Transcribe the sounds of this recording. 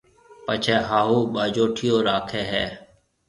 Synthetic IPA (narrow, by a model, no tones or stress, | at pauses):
pət͡ʃʰeːɦaːɦuːɓaːd͡ʒoːʈʰɪjoːɾaːkʰeːɦɛː